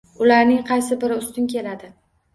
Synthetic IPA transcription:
ʊlaɾnɪŋqʰɑjsɪbɪɾɪʊst̪ʊnkʲʰe̞lad̪ɪ

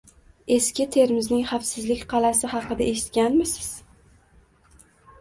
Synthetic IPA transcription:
e̞skʲɪt̪ʰe̞ɾmɪznɪŋχɑfsɪzlɪkʲqʰɑlasɪhɑqɨd̪aʔeʃɪ̥t̪̚kʲanmɪsɪ̥z̥

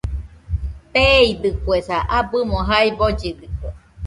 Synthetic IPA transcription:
p̪eid̪ɨkwesaʔabɯmoɦaibod͡ʒid̪ikʷe

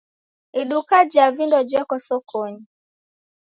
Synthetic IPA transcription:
iɗukad͡ʒavindɔd͡ʒɛkɔsɔkʰɔɲi

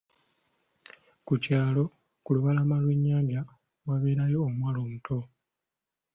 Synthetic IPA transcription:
kucaːlo̞ | kuluβalamalweɲːaːɲɟa | waβe̞ːɾajo̞ːmwaːloːmutʰo̞

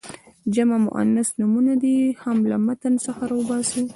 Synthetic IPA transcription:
d͡ʒamamʊ̰ʔa̰nasnumunad̪ihamlamat̪ansəxaɾɑwəbɑsi

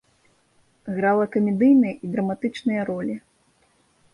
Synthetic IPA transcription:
ɣɾalˠɐkɐmʲɛd̪ɨjnɨjɐʔid̪ɾɐmat̪ɨt͡ʂnɨjɐɾɔlʲi

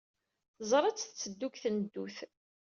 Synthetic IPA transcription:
θəzˤɾˤɑt͡sːθt͡sːəd̪ːukθnəd̪ːuθ

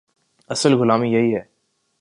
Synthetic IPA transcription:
ɐsəlɣʊlaːmijɐɦiɦɛː

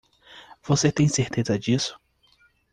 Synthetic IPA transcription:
v̥oset̪ẽj̃seɾt̪ezɐd͡ʒisʊ̥

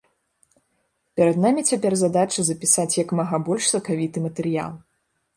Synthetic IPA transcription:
pʲɛɾɐd̪namʲit͡sʲapʲɛrzad̪at͡ʂɐzɐpʲisat͡sʲjɐkmaɣabɔlʲʂsɐkavʲit̪ɨmɐt̪ɛɾɨja̰lˠ

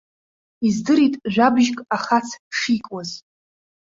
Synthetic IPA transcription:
izdɨɾitʼʒʷᶣabʒkʼaχat͡sʰʂikʼaz

